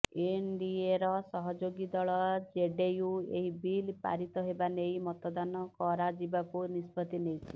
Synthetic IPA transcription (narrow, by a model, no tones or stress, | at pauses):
eɳɖieɾɔsɔɦɔd͡ʒoɡid̪ɔɭɔd͡ʒeɖejueɦibilpa̰ɾit̪ɔɦebanejmɔt̪ɔd̪anɔkɔɾad͡ʒibakunispɔt̪inejt͡ʃʰi̥